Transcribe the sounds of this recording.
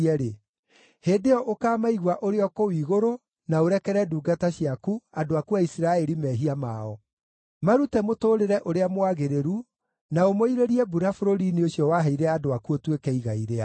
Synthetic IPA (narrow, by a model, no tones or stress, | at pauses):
ɛɾe | heːdeɔʔokaːmaiɣwaʔoɾeɔkowiːɣoɾo | naoɾɛkɛɾɛduːɡataɕiakuadoakuaisiɾaɛɾimɛːɦiamaɔ | maɾutɛmotoːɾeɾɛʔoɾeamwaɣeɾeɾu | naomoiɾeɾiɛbuɾafoɾoɾinioɕjɔwaɦaiɾɛadoakuotwekɛiɣaiɾea